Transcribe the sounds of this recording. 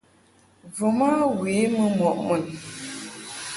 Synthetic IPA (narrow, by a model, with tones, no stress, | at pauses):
vo˨ma˦ɣe˨˦mə˦mɔ˨ʔmə˨n